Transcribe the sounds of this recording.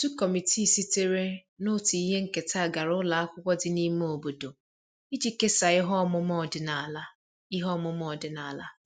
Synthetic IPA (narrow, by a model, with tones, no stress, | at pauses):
tu˦kɔ˨mi˨ti˦˨si˦te˦ɾe˦nʊ˦ti˨i˦ɦe˦ŋ̩˦ke˨ta˦˨ɡa˨ɾʊ˦la˨a˦kʷʊ˦kʷɔ˦dɪ˦ni˦m˦o˨bo˨do˨ | i˦d͡ʒi˦ke˦sa˨ɪ˦ɦɔ˦mʊ˦mɔ˦˨dɪ˨na˨la˦ | i˦ɦɔ˦mʊ˦mɔ˦˨dɪ˨na˨la˦